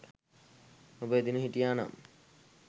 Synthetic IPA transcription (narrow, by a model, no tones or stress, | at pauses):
ubed̪inuɦiʈijana̰m